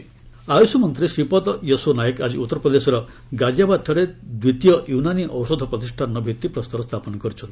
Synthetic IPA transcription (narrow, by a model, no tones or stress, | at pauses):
ajusumɔnt̪ɾisɾipɔt̪ɔjosunajekad͡ʒiut̪ːɔɾɔpɾɔd̪esɔɾɔ | ɡad͡ʒabad̪̚t̪ʰɔɽed̪wit̪ijɔʔjunaniʔɔwsɔd̪ʱɔpɾɔt̪isʈʰannɔbʱit̪ːipɾɔst̪ɔɾɔst̪ʰapɔnɔkɔɾit͡ʃʰɔnt̪i